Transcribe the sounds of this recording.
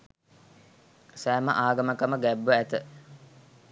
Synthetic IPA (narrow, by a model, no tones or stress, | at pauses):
sæːmə̰ʔaːɡɐməkɐməɡæbʋəæt̪ə